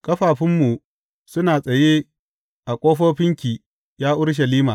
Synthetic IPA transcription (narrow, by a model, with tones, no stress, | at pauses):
kʼɐ˦ɸaː˨ɸɪ˦mːu˨ | sʊ˦naː˨sʼɐ˨jeː˦ | ʔa˨kʷʼoː˦ɸoː˦ɸɪ˦ŋkʲiː˨ | jaː˦ʔʊ˦ɽʃ̬ɐ˨liː˦maː˨